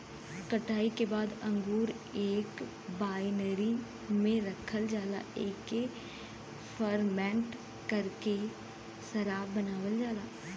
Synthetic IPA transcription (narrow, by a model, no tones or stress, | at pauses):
kəʈaːikebaːd̪ə̃ŋɡuːɾ | eːk | baːɪnəɾi | mẽɾəkʰəld͡ʒaːla̰ːeːke | fʰəɾmɛ̃ːɳʈ | kəɾke | səɾaːbbːənaːʋəld͡ʒaːlaː